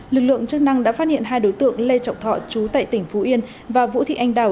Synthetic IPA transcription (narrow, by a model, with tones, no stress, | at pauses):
lɨ˨˩k̚lɨ̰˧˨əŋt͡ɕɨ˦˥k̚na˧ŋɗa̰ː˧˥faː˦˥t̚hḭ˧˨ənɦaː˧jɗo˨˦jt̪ɨ̰˧˨əŋle˧t͡ɕa˨˩wŋ͡m̚t̪ʰɔ̰˧˨t͡ɕu˨˦t̪a̰ː˧˨jt̪ï˧˩ŋ̟fu˨˦ʔi˧ən | vaː˨˩vṵ˧˥t̪ʰḭ˧˨ʔa˧jŋ̟ɗaː˨˩